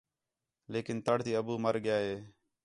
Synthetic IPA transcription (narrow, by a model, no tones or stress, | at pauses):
leːkɪnt̪əɽt̪iːəbuːməɾɠɪjaːɦeː